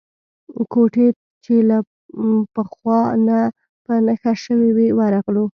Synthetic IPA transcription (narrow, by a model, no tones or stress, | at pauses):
koʈe | t͡ʃela | pəxwɑna | pənəxaʃəwewewəɾaɣlu